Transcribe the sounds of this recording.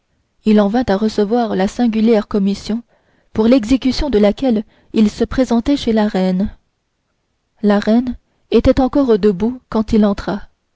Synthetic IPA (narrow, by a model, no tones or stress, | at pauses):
ilɑ̃vɛ̃t̪aʁəsəvwaʁlasɛ̃ɡʲyljɛʁkɔmisjɔ̃ | puʁlɛɡzekʲysjɔ̃d̪əlakʲɛl | ilsəpχezɑ̃t̪ɛʃelaʁɛn | laʁɛn | et̪ɛt̪ɑ̃kɔʁd̪əbukɑ̃t̪ilɑ̃t̪χa